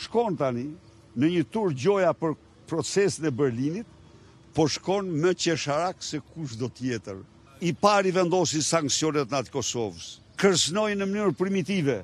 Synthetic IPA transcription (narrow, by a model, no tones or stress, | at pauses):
ʃkɔnt̪ani | nəɲət̪uɾd͡ʑɔjapəɾ | pɾɔt͡sɛsinɛbɛɾlinit̪̚ | pɔʃkɔnməcɛʃaɾaksɛkuʃ̬d̪ɔt̪jɛt̪əɾ | ipaɾivɛnd̪ɔsinsaŋksiɔnɛt̪nat̪i̥kɔsɔvəs | kəɾsnɔjnəmənyɾpɾimit̪ivɛ